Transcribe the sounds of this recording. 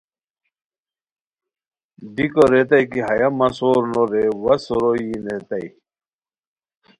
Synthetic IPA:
dikoɾet̪ɐjkiɦɐjɐmɐsoːɾnoɾewɐsoɾojinet̪ɐi

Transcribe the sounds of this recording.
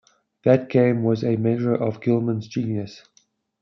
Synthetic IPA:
ðɨt̚ɡ̥ẽɪ̃mwʌzɨmẽɪɡə˞ʔʌvɡɪlˠmə̃nzd͡ʒĩnjɨs

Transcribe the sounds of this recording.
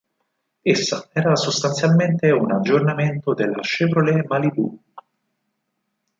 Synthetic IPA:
esːaɛːɾasost̪ant̪sjalment̪eunad͡ʒːornament̪od̪elːa̰ʃevɾolemalib̪ṵ

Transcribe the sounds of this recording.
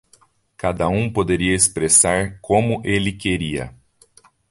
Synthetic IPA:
kad̪ɐũpod̪eɾiɐespɾesaɾkõmʊʔelɪkeɾiɐ̰

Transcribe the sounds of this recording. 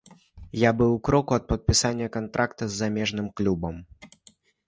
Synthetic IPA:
jabɨwkɾɔkuɐt̪̚pɐt̪̚pʲisanʲːɐkant̪ɾʔakt̪ɐzːamʲɛʐnɨmklʲubɐm

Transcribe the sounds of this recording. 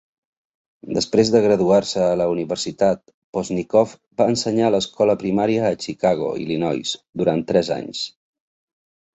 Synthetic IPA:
d̪əspɾezðəɣ̞ɾəðuarsəːləuniβərsit̪at̪̚ | pɔznikɔf | baənsəɲaləskʰɔləpɾimaɾiəːt͡ʃikaɣ̞o̰ḭlinɔjsd̪uɾant̪ːɾɛza̰ɲs

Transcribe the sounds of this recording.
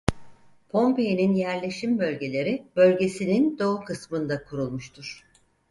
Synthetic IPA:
pʰo̞mpejeninjæɾlʲe̞ʃimbø̞lʲɟʲe̞lʲe̞ɾib̥ø̞lʲɟe̞sinind̪o̞ukʰɯsmɯnd̪akʰuɾulˠmuʃt̪ʰuɾ̥

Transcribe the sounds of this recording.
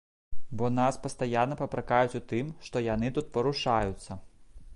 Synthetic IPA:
bɔnaspɐst̪ajanːɐpɐpɾakajut͡sʲut̪ɨmʂt̪ɔjanɨt̪ut̪̚pɐɾuʂajut̪sːɐ

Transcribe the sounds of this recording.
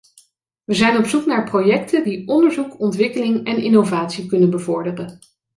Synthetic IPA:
ʋəzɛjnɔpsuknaːɹprojɛktədiɔndəɹzukɔntʋɪkəlɪŋɛnɪnowvaːtsikɵnənbəvɔɹdərən

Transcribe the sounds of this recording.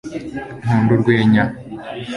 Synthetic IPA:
n̥uːnduɾɡweːɲa

